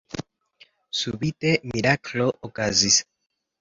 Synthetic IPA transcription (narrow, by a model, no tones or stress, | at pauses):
suβit̪emiɾakloʔokazis